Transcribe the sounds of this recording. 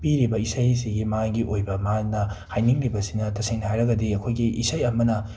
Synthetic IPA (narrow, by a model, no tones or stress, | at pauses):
piɾibɐisajs̬iɡimaŋɡiʔojbɐmanɐhajniŋɾibɐsinɐtɐsiŋnhajɾɐɡɐdiɐkʰojɡiʔḭsajɐmɐnɐ